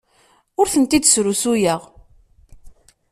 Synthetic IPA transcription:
ʊɾθənt̪id̪sɾusujəʁ

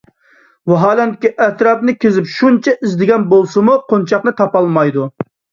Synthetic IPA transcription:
wɑɦɑːlɛnt̪kʲiʔɛt̪ɾɑpnɪkʲʰezɪpʃunt͡ʃʰɛʔizd̪ɪɡʲɛnbolˠsɨmuqʰont͡ʃʰɑqnɨt̪ʰɑpɑlˠmɑjd̪u

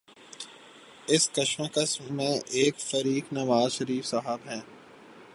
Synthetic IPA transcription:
ɪskɐʃmãkasmẽʔeːkfɐɾiːknɐʋaːzʃəɾiːfsaɦəbɦɛ̃ː

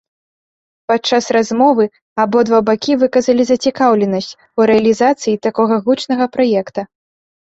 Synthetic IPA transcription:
pat͡ʂasrazmɔvɨ | abɔd̪vabakʲivɨkɐzɐlʲizɐt͡sʲikawlʲɛnɐsʲt͡sʲ | uɾɛɐlʲizat̪sɨjit̪akɔɣɐɣut͡ʂnɐɣɐpɾajɛkt̪ɐ

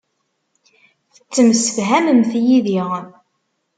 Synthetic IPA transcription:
θə̥t͡sːəmsəfɦæməmθjiðiʁən

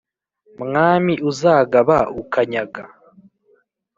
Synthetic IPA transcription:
mŋaːmiʔuzaːɡaβaukaɲaɡa

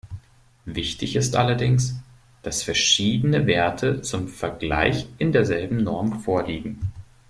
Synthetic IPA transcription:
vɪçtɪçɪstʔa̰lɐdɪŋs | d̥asfɛɐʃiːdənəveːɐtʰət͡sʊmfɛɐɡla̰ɪçʔɪndeːɐzɛlbm̩nɔɐmfoːɐliːɡŋ̩

